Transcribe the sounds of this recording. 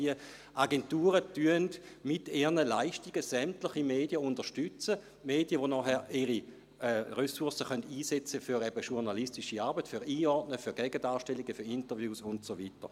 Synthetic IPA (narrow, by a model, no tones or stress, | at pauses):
iə | ʔaɡentuːʁətyəndmiteːnəlaɪʃtiɡ̥əsɛmtlɪχimeːdijəundəʁʃtyt͡sə | meːdjəvonɔːχɛiʁi | ʁøsuɐsəχœntiːsɛt͡səfyʁɛb̥əʃuʁnalistiʃiaɐbətfyʁiːɔʁtnəfyɐɡɛɡədaːʃtɛliɡəfyintəvjuːsʊntsovitə̰